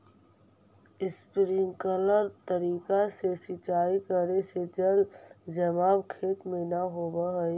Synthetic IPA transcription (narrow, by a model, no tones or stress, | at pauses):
ɪspɾɪ̃ŋkələɾt̪əɾiːkasesɪt͡ʃaːikəɾesed͡ʒəld͡ʒəmaːbkʰeːt̪mẽnaɦoːbaɦɛ